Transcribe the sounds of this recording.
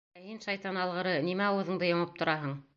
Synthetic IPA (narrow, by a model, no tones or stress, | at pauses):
æhinʃɑjt̪ɑnɑlˠʁɤ̆ɾɤnimæɑwɤ̆ðɤ̆ɴd̪ɤjŏɴɤp̚t̪ʰŏɾɑɦɤɴ